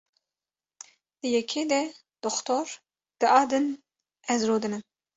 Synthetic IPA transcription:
d̪̥ɨjɛkʰeːd̪ɛ | d̪̥ɔxt̪ʰoɾ | d̪̥ɨʔɑːd̪ɨn | ɛzɾoːd̪ɨnɨn

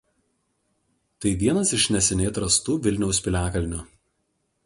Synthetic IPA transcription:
t̪ɐɪʋʲiɛnɐsɪʃʲnʲɛsʲɛnʲeːt̪ɾɐst̪uːʋʲɪlʲnʲɛʊsʲpʲɪlʲæːkɐlʲnʲʊ

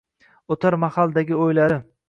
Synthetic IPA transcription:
ot̪ʰaɾmahalˠd̪aɡʲɪojlaɾɪ

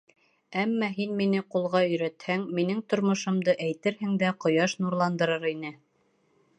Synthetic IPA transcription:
æmːɑɦinminɘqulˠʁɑɵ̆jɾæt̪hæŋminɘŋt̪ŏɾmŏʃŏmd̪ɤʔæjt̪ɘɾhɘŋd̪æqŏjɑʃnuɾlˠɑnd̪ɤ̆ɾɤɾinɘ

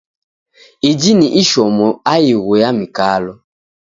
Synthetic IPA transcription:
id͡ʒiniʔiʃɔmɔajiɣojamikalɔ

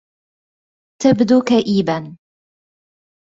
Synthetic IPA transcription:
t̪abd̪uːkaʔiːban

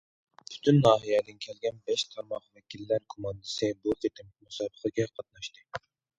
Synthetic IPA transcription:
pʰy̥t̪ʰynːɑːɦijɛd̪ɪnkʲʰɛlɡʲɛnbɛʃt̪ʰɑɾmɑχvɛkʲʰilːæɾkʰomɑnd̪ɨsɨbut̪ʰet̪ɪmmusɑːbəχəɡʲɛqʰɑt̪̚nɑʃt̪ɨ

